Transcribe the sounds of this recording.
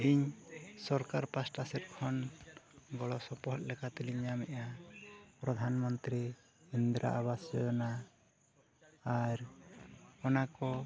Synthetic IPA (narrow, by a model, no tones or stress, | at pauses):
iɲsɔɾkaɾpasʈasɛt̚kʰɔn | ɡɔɭɔsɔpɔɦɔt̪̚lɛkat̪iliɲamɛʔa | pɾɔd̪ʱanmɔnt̪ɾi | ind̪ɾa̰ʔaβasd͡ʒɔjɔna | ɾ | ɔnakɔ